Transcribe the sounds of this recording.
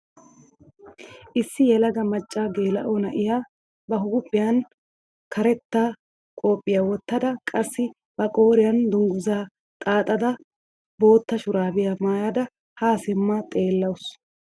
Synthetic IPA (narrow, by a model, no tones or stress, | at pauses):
ʔɪsːɪjɛlɐɡɐmɐt͡ʃʼːaːɡe̞ːlɐ̰ʔonɐʔɪjaː | bɐɦʊɡʊpʼːɪjɐn | kɐɾɛt̪ːaː | kʼo̞ːpʼːɪjawɔt̪ːɐd̪ɐkʼɐsːɪ | bɐkʼo̞ːɾɪjɐnd̪ʊŋɡʊzaː | t̪ʼaːt̪ʼɐd̪ɐ | bo̞ːt̪ːɐʃʊɾaːbɪjamaːjad̪ɐ | haːsɪmːat̪ʼe̞ːlːɐwʊs